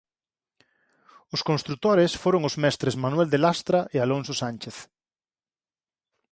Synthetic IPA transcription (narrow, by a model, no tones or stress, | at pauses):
ʊskõnst̪ɾut̪oɾesfoɾoŋozmɛst̪ɾezmanwɛld̪elast̪ɾaʔealonsosant͡ʃeθ